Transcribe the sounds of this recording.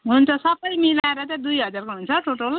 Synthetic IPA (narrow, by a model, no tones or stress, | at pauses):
ɦunt͡sʰʌsʌbʌjmilaeɾʌt̪ãd̪ujɦʌd͡zarkoɦunt͡sʰʌʈoʈol